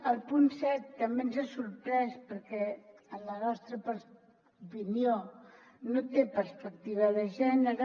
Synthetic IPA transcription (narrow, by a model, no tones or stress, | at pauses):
əlˠpunsɛt̪ːəmbenzasuɾpɾɛspəɾkɛələnɔst̪ɾəpəs | upinijo | not̪epəɾspək̚t̪iβ̞əðəʒɛnəɾ